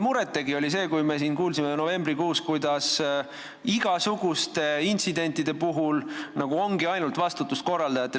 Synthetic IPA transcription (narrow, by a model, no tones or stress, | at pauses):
muɾet̪ːe̞ɡio̞lʲise̞ːkujme̞s̬iːnkuːlsimeno̞ve̞mbrikuːskujd̪̥ɑs | iɡ̥ɑsuɡ̥ust̪e̞int̪sid̪e̞nʲt̪ːˑid̪̥e̞puɦulnɑɡ̥uo̞ŋɡ̥iɑjnult̪vɑst̪ut̪ːust̪̚ko̞rːɑld̪ɑjɑt̪ːˑe